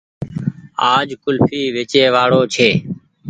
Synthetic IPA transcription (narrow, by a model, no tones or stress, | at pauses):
aːd͡ʒkʊlfʰiːʋet͡ʃeːʋaːɽoːt͡ʃʰeː